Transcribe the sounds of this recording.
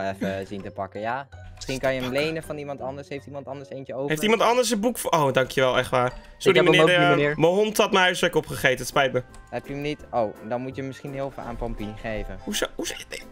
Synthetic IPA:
ɛfəzintəpɑkəjaːmɪsχinkɑjəənlejnəvɑnimɑntɑndəɹsɦejftimɑntɑndəɹsejncəowɦejftimɑntɑndəɹs̬əbukfʔowdɑŋkjəʋɛlˠɛχtʋaːr | soɾimənɪdːməɦɔntɑtməɦœɥsʋɛkɔpχəχejtəətspɛjtmə | ɦɛpjəmnitowdɑnmutjəmɪsχinɦɪlˠfla̰ːnpɑmpinχejvənhusɦus

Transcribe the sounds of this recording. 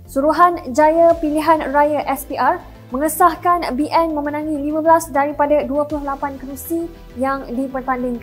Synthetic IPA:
suɾuɦand͡ʒajapiliɦanrajaʔɛspiʔar | mə̃ŋəsahkanbiʔɛnmə̃mənãŋĩlimãbəlasdaɾipadaduapulʊhlapankəɾusi | jaŋdipərt̪andɪŋk

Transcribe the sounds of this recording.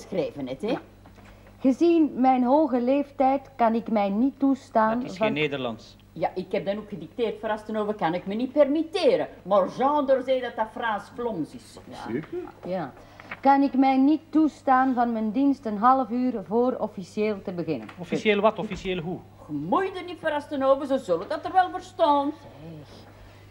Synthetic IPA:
sxreːvənɛtɛ | ɣəzinmɛjnɦoːɣəleːftɛjtkɑnɪkmɛjnitːustaːnɪsxveːnːeːdərlɑ̰ns | jaʔɪkhɛp̚dɑnokxədɪk̚teːrtfɾastənoːvəkɑnɪkmənit̚pɛrmiteːɾəmɔrzɑ̃ːndərzeːdɑtdafraːsflɔmsɪs | jaː | kɑnɪkmɛjnitːustaːnvɑnməndinstənɦɑləfyːrvoːrɔfisjeːlˠtəbəɣɪnə̰nɔfisjeːlʋɑtɔfisjeːləɦu | xəmujdənitfəɾɑstənoːvərzozolədɑtərʋɛlˠvərstɔntɛx

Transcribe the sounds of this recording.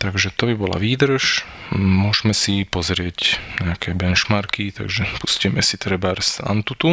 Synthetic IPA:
t̪aɡʒɛt̪ɔbibɔla̰ʋiːd̪r̩ʃmʊɔʒmɛsipɔzɾɪɛcɲɛakʰɛbɛnt͡ʃmaɾkit̪a̰ɡʒɛpuscɛmɛsit̪ɾɛbaɾsa̰nt̪ut̪u

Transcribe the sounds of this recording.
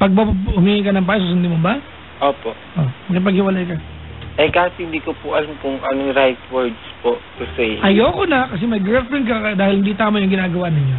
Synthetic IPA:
pɐɡ̚bɐʊmiŋijkɐnɐŋbaːjs̬os̬ɪnd̪ɪmoba | ʔoːpoʔʔomɐkɪp̬ɐɡhɪwɐlajkɐ | ʔɐjkaːhɪt̪̚hɪnd̪iːkopʊʔɐlamkʊŋʔɐnoŋɾajt̪wɛɹd̪spot̪ʊsɛjʔɐjoːkonɐkɐs̬ɛmɐjɡɛlfɾɛnk̬ɐkɐd̪aːhɪlhɪnd̪it̪aːmɐjʊŋɡɪnaːɡɐwanɪɲːo

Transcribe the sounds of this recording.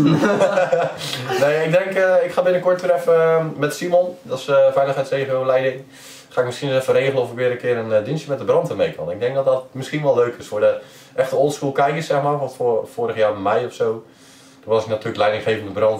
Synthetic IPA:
neɪɡ̚dɛŋkɪkχaːbɪnəkoɹtʋɪɾɛfəmɛtsimɔndɔsəfɛjlˠəxɦɛjtseːvəʋɪlɛjdɪŋ | χaːɪk̚mɪskiənsɛfəɾeːχəlˠənɔfɪkʋɪəɾəkɪəɾəndinsjəmɛt̚dəbrɔntʰəmejkʰɔ̰nɪɡ̚dɛŋk̚dɔt̚dɔtmɪskinʋɔlˠløːkʰɪsfʊːdə | ʔɛxtəolˠskulˠkɛjkɪsɛxmaːrɔtfoːɾəxjaːmɛjɔfsoː | d̥ɔʋɔsɪknatʰyːələklɛjdɪŋxeːvəndəbrɔnt

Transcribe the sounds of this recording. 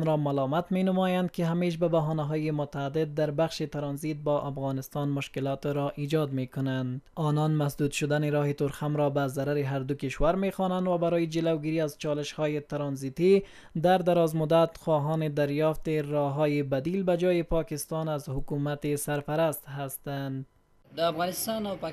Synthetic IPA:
mɾɔmalɔmat̪menʊmɔjand̪̚kɪɦameʃ̬babaɦɔnaɦɔjɪmʊt̪aːd̪ɪd̪̚ːaɾbaxʃet̪ɪɾɑnzit̪̚bɔʔafɣɑnɪst̪ɑnmʊʃkɪlɔt̪ɾɔʔid͡ʒɔd̪mekʊnand̪ɔnɔnmasd̪ud̪ʃʊd̪aneɾɔɦɪt̪ʊɾxamɾɔbazaɾaɾɪɦaɾd̪ʊkɪʃwaɾmexɔnand̪wabaɾɔjɪd͡ʒɪlawɡiɾiːazt͡ʃɔlɪʃhɔːjet̪ɪɾɑnzit̪i | d̪aɾd̪aɾɒzmʊd̪at̪xɔɦɔnɪd̪aɾjɔft̪ɪɾɔɦɔjɪbad̪ilbad͡ʒɔjɪpɒkɪst̪ɑnazhʊkumat̪ɪsaɾpaɾast̪hast̪and̪ | d̪əafɣɑnɪst̪ɑnawp

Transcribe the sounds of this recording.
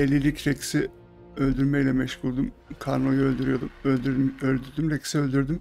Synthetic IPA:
elʲilʲicɾeksi | ølʲd̪yɾmɛjlʲɛmɛʃkʰulˠd̪umkʰaɾno̞juølʲd̪yɾyjo̞d̪u | ølʲd̪yɾd̪ymɾɛcsiølʲd̪yɾd̪ym

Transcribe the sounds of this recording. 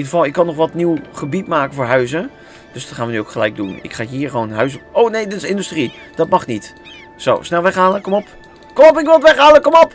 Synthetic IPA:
idəvɑlˠɪkːɑnɔχʋɑtniwχəbitmaːkənvʊːɹɦœɥzə | d̥øsdɑtχaːnʋənyowkχəlɛjɡ̚dunɪ̰kχaːɦiːɹχəʋownɦœɥs̬ownejdɪtɪ̥sɪndystri | d̥ɑtmɑχnit | so̰wsnɛlˠʋɛχɦaːləkɔmɔp | kɔmɔp̬ɪkʋɪlˠətʋɛχɦaːləkɔmɔp

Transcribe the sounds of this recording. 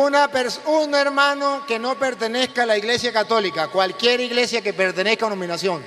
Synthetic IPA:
unapeɾsuneɾmãnoke̞no̞peɾt̪eneskaːlaiɣle̞sjakat̪o̞likakwalkje̞ɾiɣlesjakepeɾt̪eneskaonõmĩnasjoŋ

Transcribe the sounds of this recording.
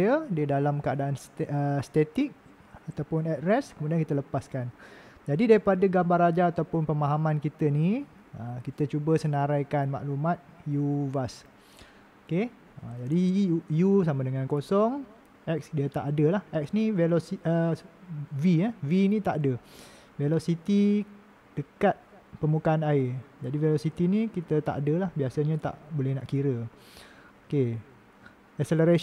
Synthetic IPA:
ədiədalamkəadaʔanstəst̪et̪ik̚ | at̪awpʊnɛtɾɛskəmũdiankit̪ələpaskan | d͡ʒadidaɾipadəɡambarad͡ʒaːt̪awpʊnpəmaɦamãnkit̪əni | əkit̪ət͡ʃubəsənaɾajkanma̰ʔlumat̪̚juvas | oke | əd͡ʒadijusamadəŋãnkosɔŋ | ʔɛk̚sdiat̪aʔadəlahʔɛk̚snivelosiə | viavinĩt̪aʔadə | velosit̪i | d̥əkat̪̚ | pəmukaːnaɪd͡ʒadivelosit̪inĩkit̪ət̪a̰ʔadəlahbiasaɲat̪a̰ʔbolɛhna̰ʔkiɾə | oke | ɛkseləɾa

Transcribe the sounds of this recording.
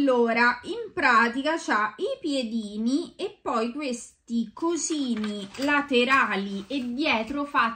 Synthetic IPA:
oːɾaimpɾaːt̪̬ikat͡ʃaipjed̪iːniepːɔjkwest̪ikoziːnilat̪eɾaːlied̪ːjɛːt̪ɾofa

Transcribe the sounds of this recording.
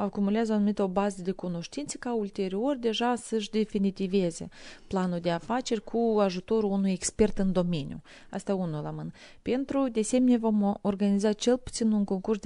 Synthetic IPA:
akumuleazəanumit̪əo̞bazəd̪e̞kuno̞ʃt̪int̪sə̥kault̪e̞ɾio̞rʲd̪e̞ʒasəʃd̪e̞finit̪ive̞ze̞̰planuld̪e̞afat͡ʃe̞rʲkʰuaʒut̪o̞ɾuunujekspe̞rt̪ɨnd̪o̞me̞nʲjṵ | a̰st̪aunula̰mɨnə | pe̞nt̪ɾud̪ese̞meneevo̞morɡanizat͡ʃe̞lput̪sinuŋko̞ŋkursd̪

